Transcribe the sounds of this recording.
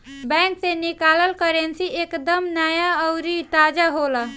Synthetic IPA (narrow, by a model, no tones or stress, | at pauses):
bɛ̃ŋksenikaːləlkəɾensiekd̪əmnəjaəʊɾit̪aːd͡ʒaɦola